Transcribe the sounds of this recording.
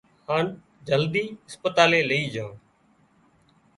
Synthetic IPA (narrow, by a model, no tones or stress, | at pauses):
haːn | d͡ʒəld̪iːɪspət̪aːleːləiːd͡ʒãː